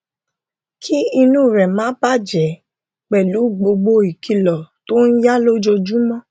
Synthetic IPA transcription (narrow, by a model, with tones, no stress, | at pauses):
kʰi˦i˧nũ˦˨ɾɛ˨mã˨˦ba˦˨d͡ʒɛ˨˦ | k͡pɛ˨lu˨˦˨ɡ͡bo˧ɡ͡bo˧i˨kʰi˧lɔ˨to˦n̩˦ja˦lo˦d͡ʒo˧d͡ʒu˦mɔ̃˦